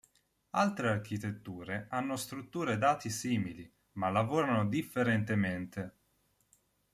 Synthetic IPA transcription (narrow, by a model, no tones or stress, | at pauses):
a̰lt̪ɾearkit̪et̪ːuːɾeanːost̪ɾut̪ːuːɾed̪aːt̪isiːmili | malːavoːɾanod̪ifːeɾent̪ement̪e